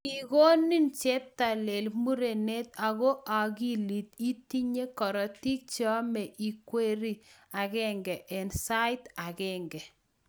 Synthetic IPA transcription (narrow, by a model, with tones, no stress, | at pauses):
i˨ɣo˦ni˦nt͡ʃe˦p̚ta˨le˨lmu˦ɾe˨ne˦t̪a˨ɣo˦ʔa˨ɣi˦li˨t̪i˦ti˦ɲe˦kɔ˨ɾɔ˨ti˦k̚t͡ʃɔ˦mɛ˨ʔi˨kwe˦ɾi˦a˨ɣɛ˦ŋɡɛ˨ʔɛ˨nsa˦ɪ˦ta˨ɣɛ˦ŋɡɛ˨